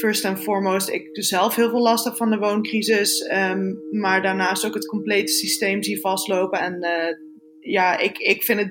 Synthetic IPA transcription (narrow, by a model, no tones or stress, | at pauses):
fəɹstɛnfɔːɹmowstɪ̰k̚dʉszɛlˠfɦɪːlˠvɪːlɑstəχfɑndəʋownkrizɪsəmaːɹdaːɹnaːstokɦətkɔmplejtə̥sistejmzivɑstlowpənɛn | jaːɪkɪkfɪnə